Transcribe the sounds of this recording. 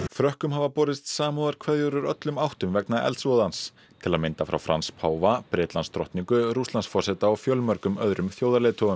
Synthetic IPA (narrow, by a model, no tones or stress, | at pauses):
fɾœhkʏmhavapɔːɾɪst̪saːmuðaɾ̥kʰvɛðjʏɾʏɾœt̪lʏmawht̪ʏmvɛk̚naʔɛ̰lsvɔðans | t̪ʰɪlaðmɪnt̪afɾa̰wfɾa̰nspʰaːwvapɾɪːt̪lanst̪ɾɔ̰ht̪niŋkʏɾuslansfɔrsɛt̪aɔfjœlmœɾkʏmœðɾʏmθjoːwðaɾlɛːt̪ʰɔʏm